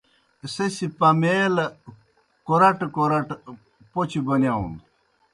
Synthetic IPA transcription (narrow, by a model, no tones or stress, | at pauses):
sesipɐmeːlɐ | koɾɐʈkoɾɐʈ | pot͡ɕʰibɐnjaũnd̪